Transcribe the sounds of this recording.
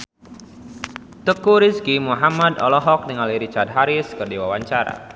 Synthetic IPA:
t̪əkuɾiskimuɦamad̪ɔ̰lɔɦɔk̚niŋaliɾit͡ʃard̪̚ɦaɾɪskərdiwawaɲt͡ʃaɾa̰

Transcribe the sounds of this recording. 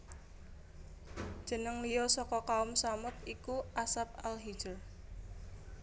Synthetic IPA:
ʒ̥ə̤nəŋlijɔsɔkɔkaʊmsamʊt̪̚ikuʔasap̚alɦi̥d͡ʒər

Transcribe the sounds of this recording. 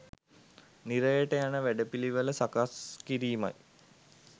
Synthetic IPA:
niɾəjəʈəjanəʋæɖəpiliʋələsakaskiɾiːma̰j

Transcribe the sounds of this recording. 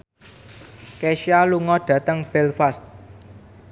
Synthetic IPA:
keʃialuŋɔɖ̥ä̤t̪əŋb̥ɛlfast̪̚

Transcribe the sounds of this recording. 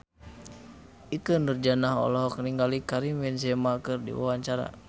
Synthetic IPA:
ʔikəndərd͡ʒanaɦɔ̰lɔɦɔk̚niŋɡalikaɾimwɛnsɛmakɨrdḭwa̰waɲt͡ʃaɾa̰

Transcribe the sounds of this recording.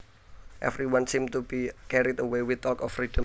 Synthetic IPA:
ʔɛ̰vɾiwãnsĩmt̪ubikɛɾidəwewɪθɔkɔfrid̥ɔ̃

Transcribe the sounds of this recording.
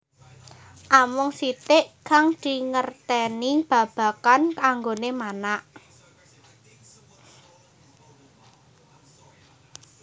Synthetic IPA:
ʔamʊŋsit̪ɪʔkaŋd̪̥i̤ŋərt̪ɛnib̥ä̤b̥a̤kankaŋɡonemanaʔ

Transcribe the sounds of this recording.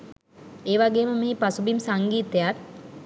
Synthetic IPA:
eːʋaɡeːməmiːpasubimsaŋɡiːt̪ejar

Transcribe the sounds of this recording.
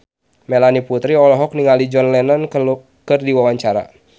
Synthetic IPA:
mɛlaniput̪ɾiɔlɔɦɔk̚niŋalid͡ʒɔnlɛnan | kɨrdiwawaɲt͡ʃaɾa̰

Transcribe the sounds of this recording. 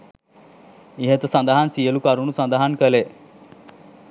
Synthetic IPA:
iɦet̪sɐ̃nd̪aɦansijəlukaɾunusɐ̃nd̪aɦankəle

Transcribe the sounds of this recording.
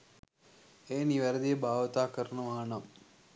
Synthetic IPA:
eːniʋɐɾəd̪ijebʱaːʋət̪aːkəɾnəʋaɦɐnɐm

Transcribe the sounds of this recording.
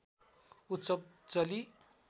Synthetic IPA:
utsʌb̚ | t͡sʌli

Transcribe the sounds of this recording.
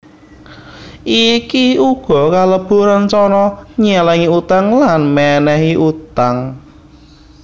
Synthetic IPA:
ʔikiuɡ̥ɔ̤kaləb̥uɾant͡ʃɔnɔɲɛlɛŋiut̪aŋlanmɛnɛɦiʔut̪aŋ

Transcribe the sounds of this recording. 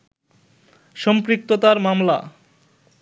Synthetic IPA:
ʃɔmpɾik̚t̪ot̪aɾmamla̰

